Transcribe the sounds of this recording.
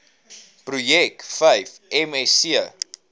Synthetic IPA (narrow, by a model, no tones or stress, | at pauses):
prujɛkfəjfɛmɛsiə